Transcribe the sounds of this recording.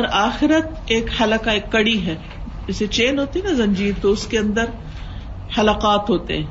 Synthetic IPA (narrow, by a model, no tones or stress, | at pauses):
ɾaːxɪɾət̪eːkhɐləkaeːkːɐɽiɦɛː | d͡ʒɛset͡ʃeːnɦoːt̪iɦɛnɐzɐ̃ɲd͡ʒiːɾt̪oʊskeɐ̃nd̪əɾ | hɐlaqaːt̪ɦoːt̪ḛɦɛ̃ː